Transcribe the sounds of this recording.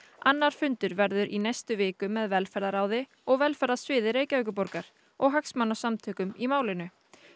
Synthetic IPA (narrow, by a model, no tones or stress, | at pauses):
anːaɾ̥fʏnt̪ʏɾvɛɾðʏɾʔinejst̪ʏvɪːkʏmːɛðvɛlfɛɾðaɾaːwðɪ | ɔɣvɛlfɛɾðasvɪːðɪɾeːjcavɛjk̬ʏpɔɾkaɾ̥ | ɔɣɦaksmanːasamt̪ʰœːkʏmimaːwlɪnʏ